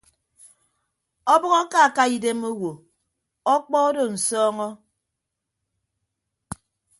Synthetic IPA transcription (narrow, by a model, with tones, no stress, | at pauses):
ɔ˦bɔ˦ɣɔ˦ka˦˨ka˦i˨de˦mo˦wo˨ | ɔ˦k͡pɔ˦o˦do˨n̩˨sɔː˦ŋɔ˦